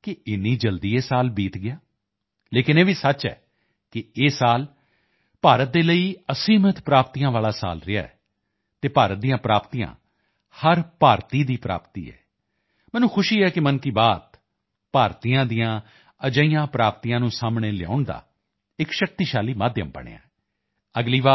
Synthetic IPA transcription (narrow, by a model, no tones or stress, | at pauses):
kɪɪnːiːd͡ʒəld̪iːeːsaːlbiːt̪ɡɪjaː | leːkɪneːʋiːsət͡ʃɛ̰ː | kɪeːsaːl | paːɾət̪̚d̪eːləiːəsiːmət̪pɾaːpt̪iːãːʋaːlaːsa̰ːlɾɪa̰ːɛ̰ː | t̪eːpaːɾət̪̚d̪ijãːpɾaːpt̪iːjã̰ː | həɾpaːɾt̪iːd̪iːpɾa̰ːpt̪ḭːɛ̰ː | mɛ̃ːnũːkʰʊʃiːɛːkɪmənkiːbaːt̪ | paːɾt̪iːãːd̪ijãː | əd͡ʒəijãːpɾaːp̚t̪iːjãːnũːsaːmɳeːlɪa̰ːʊɳd̪a̰ː | ɪkʃək̚t̪iːʃaːliːmaːd̪jəmbə̰ɳ̃ḛːa̰ːɛ | əɡliːʋaː